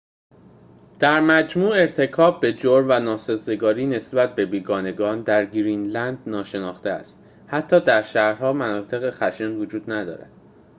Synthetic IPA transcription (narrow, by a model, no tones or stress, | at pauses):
d̪̥æɾmæd͡ʒmuːe̞ɾt̪ʰe̞kʰɒːb̚ːe̞d͡ʒoɾvænɒːsezeɡɒːɾiːne̞sbæt̪̚be̞biːɡɒːne̞ɡɒːnd̪æɾɡɾinlænd̪nɒːʃe̞nɒːxt̪eæ̰st̪ | hæt̪ʰːɒːd̪æɾʃæhɾhɒːmænɒːt̪ʰe̞ɣe̞xæʃenvod͡ʒuːd̪næd̪ɒ̰ːɾæ̰d̪̥